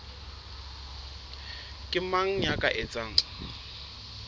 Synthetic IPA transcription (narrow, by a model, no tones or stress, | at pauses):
kʼɪmaŋ̩ɲakʼaʔet͡sʼaːŋ̩